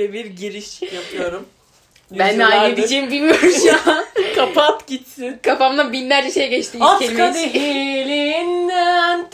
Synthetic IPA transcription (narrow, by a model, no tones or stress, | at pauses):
ɛbiɾɟiɾiʃjapʰɯjoɾum | bænːɛajlʲed̪id͡ʒeːimbilʲmijoɾumjaakʰapat̪ɟit̪sɪnkʰafamd̪abinlʲæɾd͡ʒɛʃe̞jɟɛt͡ʃt̪iːakemad̪eilʲinn